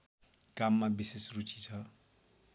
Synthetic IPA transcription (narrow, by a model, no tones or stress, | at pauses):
kamːabisesrut͡ʃʰit͡sʰʌ